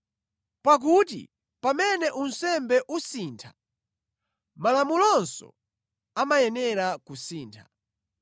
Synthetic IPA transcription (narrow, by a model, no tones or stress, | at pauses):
pak̬ut̬ḭ | pamɛnɛʔun̩sɛmbɛʔusiːntʰḁ | malamulɔnsɔ̰ | amajɛnɛɾakusiːntʰḁ